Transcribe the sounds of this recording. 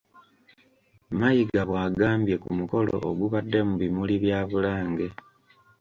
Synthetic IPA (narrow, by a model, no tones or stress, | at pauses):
majiɡaβwaːɡaːmbje̞kumuko̞lo̞̰ʔoɡuβadːe̞muβimuliβjaːβulaːŋɡe̞